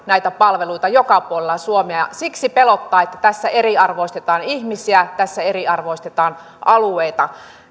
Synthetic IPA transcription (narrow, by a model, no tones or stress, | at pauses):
næit̪æpɑlʋeluit̪ɑjokɑpuolelːˑɑsuomeɑɑ̰siksipelot̪ːɑːet̪ːæt̪æsːæeɾiɑrʋoist̪et̪ɑːnihmisiæt̪æsːæeriɑrʋoist̪et̪ɑːn | ɑluejt̪ɑ